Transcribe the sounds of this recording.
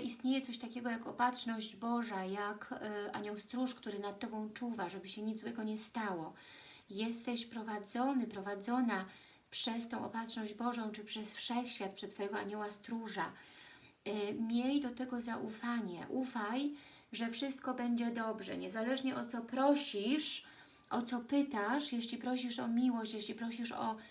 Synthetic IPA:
ʔist̪ɲejɛt̪sɔɕt̪akʲɛɡɔjakɔpat̪ʂnɔʑd͡ʑbɔʐajakʔa̰ɲɔwst̪ɾuʂkt̪uɾɘnat̪̚tːɔbɔ̃w̃t͡ʂuvaʐɛbɘɕɛɲid̪zwɛɡɔɲɛst̪awɔ | jɛst̪ɛɕpɾɔvad̪zɔnɘpɾɔvad̪zɔna | pʂɛst̪ɔ̃w̃ɔ̰pat̪ʂnɔʑd͡ʑbɔʐɔ̃w̃t͡ʂɘpʂɛsfʂɛxɕfʲjat̪̚pʂɛt̪ːfɔjɛɡɔaɲɔwast̪ɾuʐa̰ | mʲjɛjd̪ɔt̪ɛɡɔzaʔufaɲɛ̰ʔufaj | ʐɛfʂɘst̪kɔbɛɲd͡ʑɛd̪ɔbʐɛ̰ɲɛzalɛʐɲɛʔɔt̪sɔpɾɔɕiʂ | ʔɔt̪sɔpɘt̪aʂjɛɕlʲipɾɔɕiʂɔmʲiwɔɕt͡ɕjeɕʲlʲipɾɔɕiʂɔ̰

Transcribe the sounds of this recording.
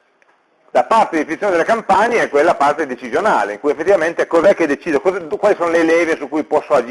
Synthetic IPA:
lapart̪ed̪ifinit̪ːjoned̪elekampaɲeɛkwelːapart̪ed̪et͡ʃizjonaːleiŋkujefːet̪ːivament̪ekozɛkːed̪et͡ʃiːd̪okozɛkwalisoːnoleːlɛːvesukːujpɔsːoad͡ʒ

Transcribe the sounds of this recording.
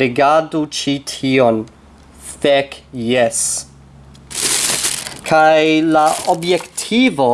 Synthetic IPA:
ɛɡadut͡ʃitʰiːɔn | fɛkjɛs | kʰajlaɔbjɛktʰiːvɔ

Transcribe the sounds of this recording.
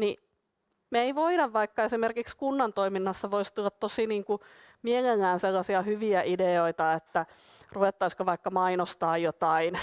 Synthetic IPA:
ni | meeiʋoiɾɑʋʋɑikːɑesimerkikskunːɑnt̪oiminːɑsːɑʋoist̪ulːɑt̪t̪osiniːŋku | mieŋeŋːæːnselːɑsiɑhyʋiæʔideoit̪ɑet̪ːæ | ruʋet̪ːɑiskoʋɑikːɑmɑinost̪ɑːjjot̪ɑin

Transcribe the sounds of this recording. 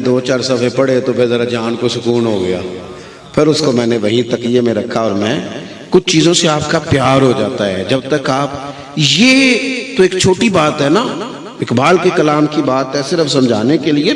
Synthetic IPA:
d̪oːt͡ʃaːɾsɐbepɐɽet̪opʰɪɾzɐɾad͡ʒaːnkosʊkuːnɦoɡɐja̰ː | pʰɪɾʊskomɛ̃ːneʋɐɦĩt̪ɐkjemẽɾɐkʰːaɔːɾmɛ̃ː | kʊt͡ʃʰt͡ʃiːzõseaːp̚kapjaːɾɦod͡ʒaːt̪aɦɛ̰ːd͡ʒɐb̚t̪ɐkaːp | jeːt̪oeːk̚t͡ʃʰoːʈibaːt̪ɦɛna | ɪkbaːlkekɐlaːmkibaːt̪ɦɛsɪɾəfsɐ̃md͡ʒʱaːnekelie

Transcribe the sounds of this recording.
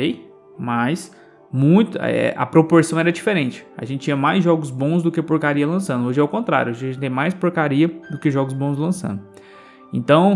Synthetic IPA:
ej | mɐs | mũj̃t̪ʊɛ̰ʔɐ̰pɾopoɾsɐ̃w̃ɛɾɐd͡ʒifeɾẽnt͡ʃɪ̥ɐ̰ʒẽnt͡ʃɪt͡ʃĩɲɐmajzʒɔɡʊzbõzd̪ʊkɪpoɾkaɾiɐlɐ̃sɐ̃nd̪ʊoʒɪɛawkõnt̪ɾa̰ɾjʊoʒɐʒẽt͡ʃt̪ẽj̃majspoɾkaɾiɐd̪ʊkeʒɔɡʊzbõslɐ̃sɐ̰̃nd̪ʊ | ḛ̃nt̪ɐ̃w̃

